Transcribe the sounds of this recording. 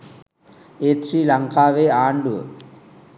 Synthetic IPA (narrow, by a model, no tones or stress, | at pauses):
eːt̪riːlɐŋkaːʋeːaːɳɖṵ